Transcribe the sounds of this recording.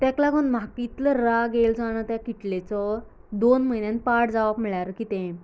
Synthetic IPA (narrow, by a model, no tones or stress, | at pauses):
t̪ɛ̃klaɡənmakit̪ləɾaɡeld͡zaɽ̃ət̪jakiʈlet͡sɔ | d̪onməinjanpaʈd͡zaʋabmiɭaɾəkit̪ɛ̃